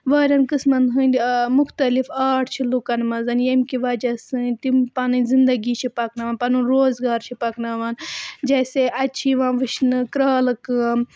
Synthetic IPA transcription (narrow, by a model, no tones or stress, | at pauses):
ʋɐːɾʲɐnkɨsmɐnɦɨnʲd̪ʲmuxt̪ɐlifaːʈʰt͡ʃʰilukɐnmɐzɐnjemkiʋɐd͡ʒɐsɨnʲt̪impɐnɨnʲzind̪ɐɡit͡ʃʰipɐknɐʋaːnpɐnunɾoːzɡaːɾt͡ʃʰipɐknɐʋɐːnd͡ʒɐːseʔɐt͡ʃʰiʋãːʋɨʃʰnɨkɾaːlɨkɨm